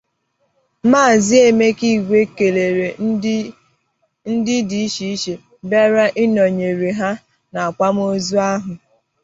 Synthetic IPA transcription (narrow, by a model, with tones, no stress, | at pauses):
maː˦˨zɪ˦e˦me˦ki˦˨ɡʷe˦ke˨le˨ɾe˨ | n̩˦dɪ˦di˨i˦ʃi˦i˦ʃe˨ | be˦ɾa˦ʔɪ˦nɔ˨ɲe˨ɾe˨ɦa˦ | na˨a˨kʷa˦m˦o˦zu˦a˦ɦʊ˨